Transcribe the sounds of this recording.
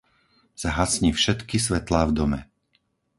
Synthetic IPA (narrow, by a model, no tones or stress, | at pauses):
saɦasɲiːfʃɛt̪kis̬ʋɛt̪laːvd̪ɔmɛ̰